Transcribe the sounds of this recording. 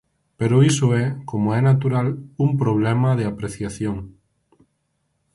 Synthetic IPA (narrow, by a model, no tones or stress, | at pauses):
peɾoisoɛkomoɛnat̪uɾalumpɾoβ̞lɛmaðeapɾeθjaθjoŋ